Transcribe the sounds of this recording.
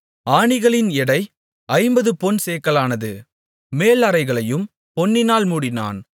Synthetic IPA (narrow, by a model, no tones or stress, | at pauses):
aːɳɪɣɐɭɪnɪɽɐɪ | ɐɪmbɐðɯpɔnseːkːɐlaːnɐðɯ | meːlɐɾɐɪɣɐɭɐjɯm | pɔnːɪnaːlmuːɽɪna̰ːn